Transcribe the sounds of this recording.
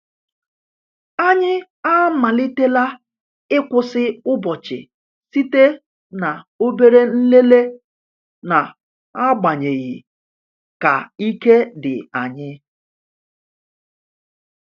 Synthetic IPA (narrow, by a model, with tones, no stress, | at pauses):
a˦ɲɪ˦ | a˦ma˨lɪ˦te˦la˦ | ɪ˦kʷʊ˨sɪ˦ʊ˦bɔ˨t͡ʃɪ̰˨ | si˦te˦ | na˨o˦be˦ɾe˦n̩˦le˦le˦ | na˨ | a˦ɡ͡ba˨ɲe˨ɣi˨ | ka̰˨i˦ke˦dɪ̰˨a̰˨ɲɪ˦